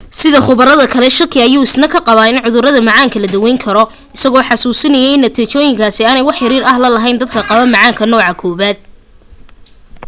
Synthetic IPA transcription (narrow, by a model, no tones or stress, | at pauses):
sɪðɐχʊβɐɾɐðɐkʰɐlɛʃɪrkʰɪɐjuːɪsnɐkʰɐqɑβaːɪnʕʊðʊɾɐðɐmɑʕaːŋkʰɐlɐd̪ɐwɛjŋkʰɐɾɔ | ɪsɐɣɔːħɑsuːsɪnɐjɛjnɐt̪ʰiːt͡ʃɔːjɪŋkʰaːsɪaːnɛjwɑħɪɾiːɾɐɦlɐlɐɦɛjnd̪ɐd̪̚kʰɐqɑβɐmɑʕaːŋkʰɐnɔːʕɑkʰɔːβaːd̪̚